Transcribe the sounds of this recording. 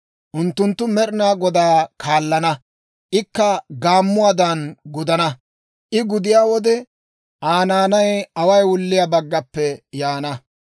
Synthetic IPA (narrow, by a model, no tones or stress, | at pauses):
ʔʊnt̪ːʊnt̪ːʊmɛɾɪnaːɡɔd̪aːkʰaːlːɐnɐ | ʔɪkːɐɡaːmːʊwaːd̪ɐnɡʊd̪ɐnɐ | ʔɪɡʊd̪ɪjaːwɔd̪ɛ | ʔaːnaːnɐjɐwɐjwʊlːɪjabɐɡːɐpːɛjaːnɐ